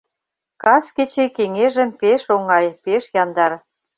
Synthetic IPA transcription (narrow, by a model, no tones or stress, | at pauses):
kɑsket͡ɕekeŋeʒə̆mpeʃoŋɑjpeʃjɑnd̪ɑr